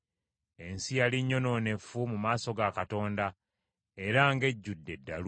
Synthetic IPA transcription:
e̞nsijaliɲːo̞no̞ːne̞fumumaːso̞ɡakato̞ːnda | e̞ɾaŋɡe̞ɟːudːe̞dːal

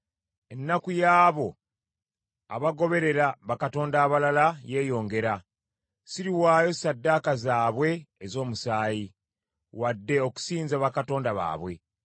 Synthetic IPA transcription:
e̞nːakujaːβo̞ | a̰βaɡo̞βe̞ɾe̞ɾaβakato̞ːndaːβalalaje̞ːjo̞ːŋɡe̞ɾa | siɾiwaːjo̞sadːakazaːβwe̞ːzo̞ːmusaːji | wadːe̞o̞ku̥siːnzaβakato̞ːndaβa̰ːβwe̞

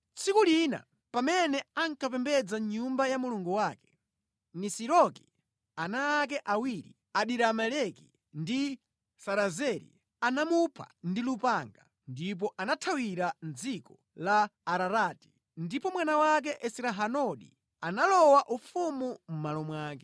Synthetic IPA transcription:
t͡sʰikulina̰ | pamɛnɛaŋkʰapɛmbɛd͡zaɲumbajamuluŋɡuwaːkɛ̥ | nisiɾɔki | anaːk̬ɛʔawiɾḭ | aɗiɾamɛlɛki | ndi | saɾazɛɾḭ | anamupʰa̰ndilupaŋɡa | ndip̬ɔʔanatʰawiɾand͡zikɔ | laːɾaɾaːti̥ | ndipɔmwanawak̬ɛʔɛsiɾaɦanɔɗḭ | analɔwaʔufumum̩malɔmwaːkɛ

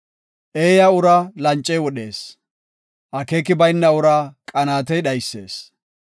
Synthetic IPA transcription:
ʔeːjaʊɾalɐnt͡ʃʼːɛjwɔɗe̞ːs | ʔɐkeːkɪbɐjnːɐʊɾaːkʼɐnaːt̪ɛjɗɐjsːe̞̰ːs

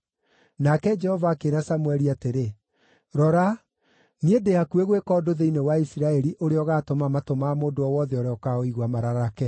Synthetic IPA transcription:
nakɛd͡ʒɛhɔvaːkeɾasamwɛɾiateɾe | ɾɔɾa | niedeakueɣwekɔdoðeinewaisiɾaɛɾiʔoɾeɔɣatomamatomaːmoːdoɔwɔðɛɔɾɛɔkaoiɣwamaɾaɾakɛ

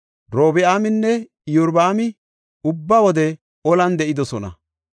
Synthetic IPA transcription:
ɾo̞ːbɪaːmɪnːɛ | jɔɾbaːmɪ | ʊbːawɔd̪ɛ | ɔlɐnd̪ɛʔɪd̪ɔsɔnɐ̰

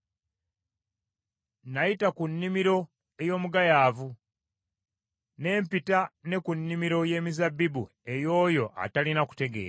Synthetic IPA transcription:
najitakunːimiɾo̞ | ejo̞ːmuɡajaːvu | ne̞ːmpitane̞kunːimiɾo̞je̞ːmizabːibu | e̞jo̞ːjo̞ʔa̰talinaku̥te̞ɡe̞̰ːɾa

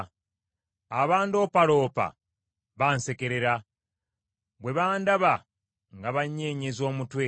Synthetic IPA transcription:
aβaːndo̞paɾo̞ːpa̰ | βaːnse̞ke̞ɾeɾa | βwe̞βaːndaβa | ŋɡaβaɲːeːɲezo̞ːmutwe

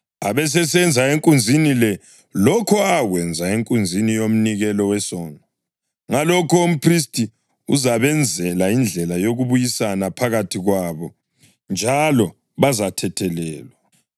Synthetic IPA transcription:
aβɛs̬ɛsɛnd͡zʱaeŋkʼund͡zʱinilɛ | lɔkʰɔaɣwɛnd͡zʱaeŋkʼund͡zʱinijom̩niɣɛlɔwɛsɔːnɔ | ŋalɔkʰɔum̩pʰris̬tʰʼi | ṵzaβɛnd͡zʱɛlaind͡ɮʱɛlajoɣuβujisanapʰaɣatʰiɣwaβɔ | nd͡ʒʱalɔ | βazatʰɛtʰɛlɛːlwa

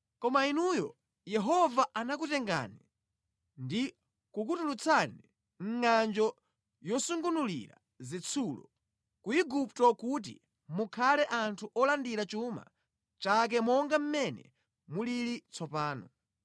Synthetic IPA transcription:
kɔmainujɔ̰ | jɛɦɔvaʔanakutɛŋɡa̰ni | ndi | kukutulut͡sʰani | ŋ̩ŋand͡ʒɔ | jɔsuŋɡunulḭɾa̰ | zit͡sʰulɔ̰ | kuiɡup̚tɔkut̬ḭ | mukʰalɛʔantʰuʔɔlandiɾat͡ʃuma̰ | t͡ʃak̬ɛmɔŋɡam̩mɛnɛ̰ | muliɾit͡sʰɔpaːnɔ̰

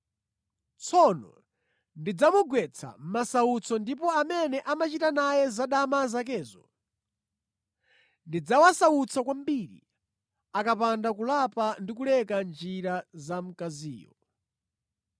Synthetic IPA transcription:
t͡sʰɔnɔ̰ | ndid͡zamuɡwɛt͡sʰa̰m̩masaut͡sʰɔndipɔamɛnɛʔamat͡ʃitanajɛzaɗamazak̬ɛːzɔ | ndid͡zawasaut͡sʰakwambiːɾḭ | akapandakulapandikulɛkand͡ʒiɾazam̩kaziːjɔ̰

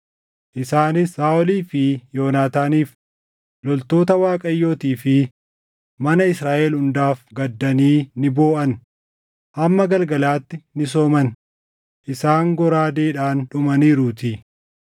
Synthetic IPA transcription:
ʔɪsaːnɪsaːʔɔliːfɪjo̞ːnaːt̪aːniːf | lɔlt̪o̞ːt̪ɐwaːkʼɐjːo̞ːt̪iːfɪ | mɐnɐɪsɾaːʔɛːlhʊnd̪aːfɡɐd̪ːɐniːnɪboːʔɐn | hɐmːɐɡɐlɡɐlaːt̪ːɪnɪs̬oːmɐn | ʔɪsaːŋɡɔɾaːd̪eːᶑaːnᶑʊmɐniːɾut̪ɪ

